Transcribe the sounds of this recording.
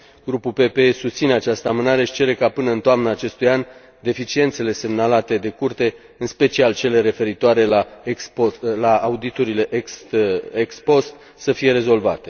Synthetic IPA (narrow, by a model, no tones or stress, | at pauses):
ɡ̥ɾupulpe̞peesust̪sine̞at͡ʃast̪əamɨnaɾe̞ʃi̥t͡ʃe̞ɾe̞kapɨnəɨnt̪oamnəːt͡ʃe̞st̪ujan | d̪e̞fit͡ʃie̞nt̪se̞le̞se̞mnalat̪e̞d̪e̞kurt̪e̞ | ɨnspe̞t͡ʃialt͡ʃe̞le̞ɾe̞fe̞ɾit̪oaɾe̞la | laːud̪it̪uɾile̞ʔksekspo̞st̪ | səfije̞ɾe̞zo̞lva̰t̪e̞